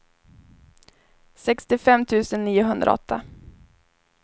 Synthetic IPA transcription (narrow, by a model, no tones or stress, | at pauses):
sɛkst̪ɪfɛmːt̪ʰʉ̟ːsənːiːʊɦɵnd̪ɾa̰ɔ̰t̪ʰːa̰